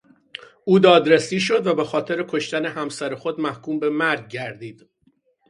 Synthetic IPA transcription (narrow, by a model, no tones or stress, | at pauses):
ʔuːd̪ɒːd̪ɾesiːʃo̞d̪væbexɒːt̪ʰe̞ɾekʰo̞ʃt̪æne̞hæmsæɾexo̞d̪mæhkʰuːmbe̞mæɾɡ̚ɟæɾd̪iːd̪̥